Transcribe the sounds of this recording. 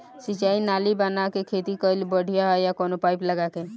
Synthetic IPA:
sɪt͡ʃaːinaːlibənakekʰeːt̪ikəɪlbəɽ̤ʱijaɦjakɔːnopaːɪpləɡake

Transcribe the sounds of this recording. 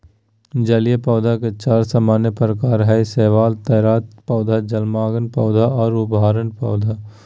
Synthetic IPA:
d͡ʒɐlijepɔːʊd̪ʱaket͡ʃaːɾsəmaːnepɾəkaːɾɦɛseːʋaːlt̪ɐːɾaːt̪̚pɔːd̪ʱad͡ʒɐlmaːɡənpɔːd̪ʱaɔːɾʊbʱɦaːɾənpɔʊd̪ʱa

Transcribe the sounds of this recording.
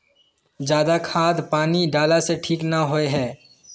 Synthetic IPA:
d͡ʒjaːd̪akʰaːd̪paːniɖaːlaseʈʰiːknaɦoeɦɛː

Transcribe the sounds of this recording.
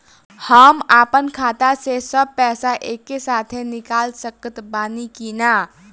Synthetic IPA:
həmapənkʰat̪asesəb̚pɛːsaʔekːesaːt̪ʰenikalsəkət̪baːnikina

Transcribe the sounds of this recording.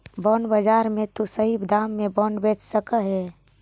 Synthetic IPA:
bɔːɳbəd͡ʒaːɾmẽt̪usəɦibd̪aːmːẽbɔːɳɖbet͡ʃsəkəɦɛ

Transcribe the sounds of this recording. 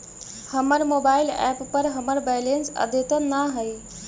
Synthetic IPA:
həməɾmoːbaːɪlɛ̰ppəɾɦəməɾbɛɪlensə̰d̪ʱet̪ənaɦəj

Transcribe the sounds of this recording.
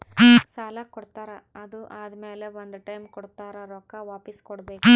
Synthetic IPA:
saːlɐkɔɽt̪aːɾɐɐd̪uʔaːd̪meːleʋond̪ʈɐjmkɔɽt̪aːɾɐɾɔːkaʋaːpiskɔɽbeːku

